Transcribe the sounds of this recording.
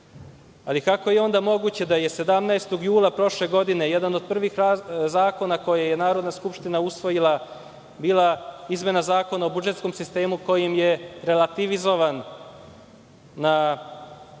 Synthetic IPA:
alikako̞jeo̞nd̪amo̞ɡut͡ɕe̞d̪aje̞se̞d̪amnaest̪o̞ɡjuːlˠapɾo̞ʃle̞ɡo̞d̪ine̞jed̪ano̞d̪̚pr̩ʋixɾazaːko̞nako̞jaje̞naːɾo̞d̪naskupʃt̪inausʋo̞jilˠa | biːlˠaizme̞nazaːko̞nao̞bud͡ʒe̞t̪sko̞msist̪e̞ːmuko̞jimje̞ɾe̞lat̪iʋizo̞ʋan | a

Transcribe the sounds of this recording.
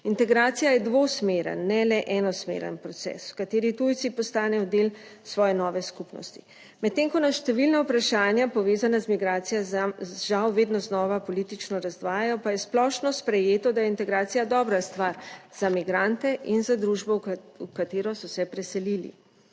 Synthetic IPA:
int̪ɛɡɾaːt̪sijajɛd̪ʋosmeːɾə̰nːɛlɛʔɛnɔsmḛɾə̰npɾɔt̪sɛ̰swkat̪eːɾit̪ujt̪sipɔst̪aːnɛjɔd̪eːl | sʋɔːjɛnɔːʋɛskupnɔ̰st̪i̥ | mɛt̪t̪ːeŋkɔnaʃt̪ɛʋilnawpɾaʃaːnjapɔʋeːzanazmiɡɾaːt̪sijɛʒawʋeːd̪nɔznɔːʋapɔlit̪it͡ʃnɔɾazd̪ʋaːjajɔpajɛsplɔʃnɔspɾɛjeːt̪ɔd̪ajɛint̪ɛɡɾaːt̪sijad̪ɔːbɾast̪ʋaɾz̥amiɡɾant̪ɛʔinzad̪ɾuːʒbɔukat̪eːɾɔsɔsɛpɾɛsɛlilḭ

